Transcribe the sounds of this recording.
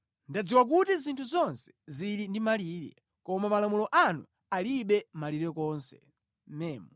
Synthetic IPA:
ndad͡ziwak̬utizintʰuzɔnsɛ̥ziɾindimaliːɾɛ̰ | kɔmamalamulɔʔanṵ | aliɓɛmaliɾɛkɔnsɛ̰ | mɛːmɔ

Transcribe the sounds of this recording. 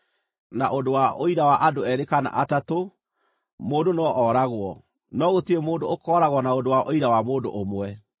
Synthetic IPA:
naʔodowaʔoiɾawaʔadoɛɾekana̰ʔatato | moːndonɔʔɔɾaɣwɔ | nɔɣotiemoːndookɔɾaɣwɔnaodowaʔoiɾawamoːdo̰ʔomwɛ

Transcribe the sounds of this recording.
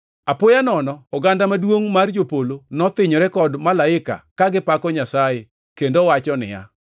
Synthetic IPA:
apʊjanɔnɔɔɡandamadwoŋmard͡ʒopolonɔt̪ɪɲɔɾɛkɔdmalaɪka̰kaɡɪpakɔɲasaje | kendowat͡ʃɔnɪ̰ja̰

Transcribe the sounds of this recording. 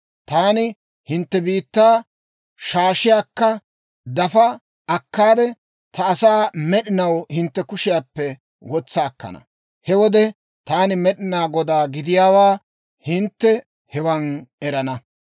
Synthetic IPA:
t̪aːnɪ | hɪnt̪ːɛbiːt̪ːaː | ʃaːʃɪjaːkːɐ | d̪ɐfɐ | ɐkːaːd̪ɛ | t̪ɐːsaːmɛɗɪnɐwhɪnt̪ːɛkʊʃɪjaːpːɛ | wɔt͡sːɐːkːɐ̰nɐ̰ | hɛwɔd̪ɛ | t̪aːnɪmɛɗɪnaːɡɔd̪aːɡɪd̪ɪjaːwaː | hɪnt̪ːɛ | hɛwɐnɛɾɐnɐ

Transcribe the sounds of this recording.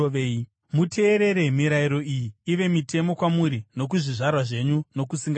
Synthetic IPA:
e | mutʰe̞ːɾe̞ɾe̞miɾaiɾo̞ijiːʋe̞mitʰe̞mo̞kwamuɾino̞k̬uʐiʐarwaʐe̞ɲuno̞kusiŋɡ

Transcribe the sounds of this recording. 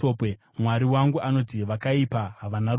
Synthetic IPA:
ope | mwaɾiwaŋɡuʔano̞tiʋakaipaɦaʋana

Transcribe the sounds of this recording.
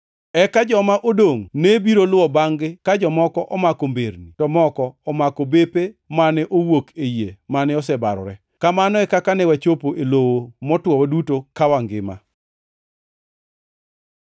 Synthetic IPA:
ɛkad͡ʒɔmaʔodoŋnebiɾolʊwɔbaŋɡɪkad͡ʒɔmɔkɔʔɔmakombeɾnitɔmɔkɔːmakobepemanɛʔowokejemanɛɔsɛbaɾɔ̰ɾɛ | kamanɔɛkakanɛwat͡ʃopoʔelowomɔtwɔwadutokawaŋɡɪ̰ma̰

